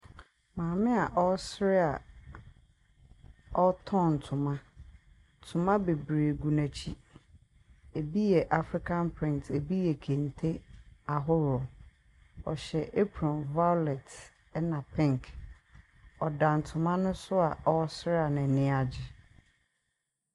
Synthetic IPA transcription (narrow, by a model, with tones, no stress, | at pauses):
mãː˨mɪ̃˦a˨ʔɔ˦sɾɪ˦a˨ | ɔ˦tʰɔ̃˦˨n˨tʰʊ̃˨mã˦ | tʰʊ̃˨mã˦be˨bɾi˨e˨ɡu˨næ̃˨t͡ɕʰi˦ | e˨bi˦jɛ˨ʔa˨fɾi˦kʰã˦npʰɾɪ̃˦n˨tʰe˨bi˦jɛ˨kʰẽ˨ntʰe˦a˨ɦʊ˦ɾɔ˨ | ɔ̰˨ɕɛ˨ʔe˦pʰɾɔ̃˨nva˦lɛ˨t | ɛ˦nã˨pʰɪ̃˦ŋk | ɔ˨dã˨n˨tʰʊ̃˨mã˦nʊ̃˦sʊ˦a˨ʔɔ˦sɾɪ˦a˨nɛ̃˨nɪ̃˦a˨d͡ʑɪ˨